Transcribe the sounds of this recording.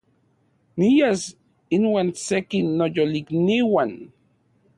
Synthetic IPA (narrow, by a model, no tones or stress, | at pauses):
nijas | inwaːnsekinːojolikniwan